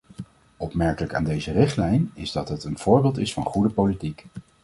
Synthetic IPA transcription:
ɔpmɛɹkələka̰ːndejzərɪχtlɛjnɪzdɑtɦətənv̥ʊːɹbɪlˠtɪsfɑ̰nχudəpowlitik

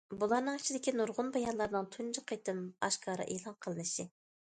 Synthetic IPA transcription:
bulˠɑɾnɨŋɪ̥t͡ʃʰid̪ɪkʲinuɾʁʊnbɑjɑnlˠɑɾnɨŋt̪ʰund͡ʒɨqʰet̪ʰɨmɑ̰ʃkʰɑːɾɨ̰ʔelˠɑnqʰəlˠɨnɨʃɪ

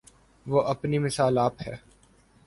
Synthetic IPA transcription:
ʋoːʔɐpnimɪsaːlaːphɛ̰ː

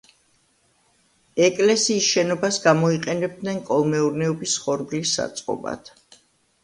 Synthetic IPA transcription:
ɛkʼlɛsiːsʃɛnɔbasɡamɔiqʼɛnɛb̚d̪nɛnkʼɔlˠmɛuɾnɛɔbisχɔɾɡlisːa̰t̪sʼqʼɔ̰ba̰d̪̥

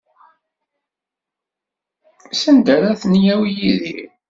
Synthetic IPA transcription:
sənd̪əɾæθnjæwjiðḭ

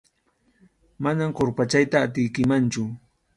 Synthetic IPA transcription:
manamkoɾpat͡ʃajt̪aːt̪̬ɪjkɪmant͡ʃʊ

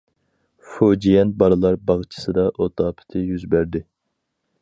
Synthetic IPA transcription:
fod͡ʒijɛnbɑɾɨlˠɑɾbɑʁt͡ʃʰɨ̥sɨd̪ɑʔot̪ʰɑːpʰɪ̥t̪ʰɪjyzbæɾd̪ɪ

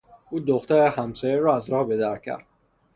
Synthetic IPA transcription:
ʔuːd̪oxt̪ʰæɾehæmsɒjeɾɒæzɾɒːhbed̪æɾcʰæ̰ɾd̪̥

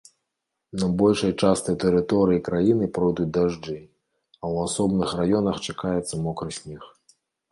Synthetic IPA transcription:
nɐbɔlʲʂɐjt͡ʂast̪ɨwt̪ɛɾɨt̪ɔɾɨjikɾajinɨpɾɔjd̪ut͡sʲd̪aʐd͡ʐɨ | ɐwasɔbnɨxrajɔnɐxt͡ʂakajɛt̪sːɐmɔkɾɨsʲnʲix

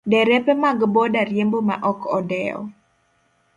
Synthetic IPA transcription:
dɛɾɛpɛmaɡbɔdaɾjemboma̰ʔɔkʰɔdɛɔ̰

